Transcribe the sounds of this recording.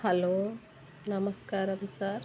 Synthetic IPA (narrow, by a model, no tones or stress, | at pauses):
hɐloː | nɐmɐskaːɾɐmsaːɾ